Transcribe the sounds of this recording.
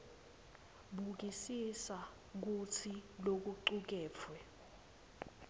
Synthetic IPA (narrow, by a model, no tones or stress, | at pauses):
ɓuk̬isisa | k̬ut͡sʰilok̬uǀuk̬ɛːp̪fʰwɛ